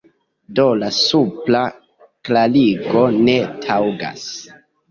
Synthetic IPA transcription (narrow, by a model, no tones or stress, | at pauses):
do̞lasupla | klaliɡo̞ne̞tʰawɡa̰s